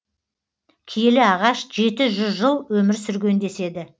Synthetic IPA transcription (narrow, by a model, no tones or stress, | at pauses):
kʲʰijelɪɑʁɑʃʒe̞t̪ɪʒʏzʒəlˠwɵmɪɾsʏɾɡʲe̞nd̪e̞se̞d̪ɪ